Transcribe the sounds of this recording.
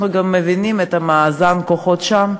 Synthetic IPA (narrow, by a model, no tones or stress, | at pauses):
nuɡamːevinimet̪hamaːzankoχo̞t̪ʃam